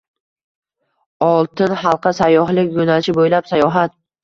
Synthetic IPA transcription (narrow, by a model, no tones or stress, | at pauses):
ɒlˠt̪ɪnχɑlˠqʰɨsajːɒɦlɪkʲjonalt͡ʃʰɪbojlapsajɒɦat̪̚